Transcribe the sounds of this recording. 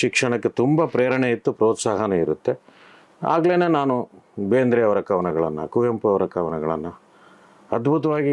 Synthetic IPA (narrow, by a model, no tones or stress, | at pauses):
ʃikʂɐɳɐkːe̞t̪umbɐpɾeːɾɐɳeit̪ːupɾoːt̪saːɦɐneiɾut̪ːe̞ | a̰ːɡleːneːnaːnubeːnd̪ɾɛjɐʋɐɾɐkɐʋɐnɐɡɐɭɐ̰nːɐ̰kujɐmpuɐʋɐɾɐkɐʋɐnɐɡɐɭɐ̰nːɐ | ɐd̪bʱut̪̬ɐʋaːɡi